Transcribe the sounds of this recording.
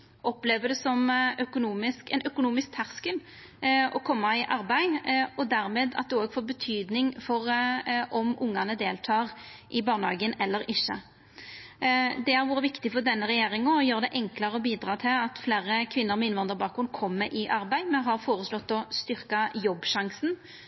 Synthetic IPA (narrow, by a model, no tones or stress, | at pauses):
ʔɔpleːʋəd̪ɛsɔmœkʊnuːmɪskɛnœkʊnuːmɪsk̚t̪ʰæɾskən | ʔɔkʰɔmːɑɪʔɑɾbæɪɔd̪æɾmeːd̪ɑ̰t̪̚d̪ɛoːɡfoːɾbət̪ʰyːd̪nɪŋfɔɾʔɔmʊŋːɑnəd̪eːlt̪ʰɑːʁʔɪbɑːʁnəhɑːɡənɛlːəɾɪçːə | d̪ɛæɾʋuːɾəʋɪkt̪ɪfɔɾd̪ɛnːəʁɛjeːɾɪŋɔjøːʁd̪ɛʔɛŋklɑɾəɔbiːd̪ɾɑːt̪ʰɪlɑt̪fleːɾəkʰʋɪnːəɾmɪnʋɑnd̪əɾbɑːkɾʊnkʰɔmːəʔɪʔɑɾbæɪmɛnɦɑɾfoːɾəslɔt̪ːɔst̪ʏɾkɑjɔbːʃɑŋsn̩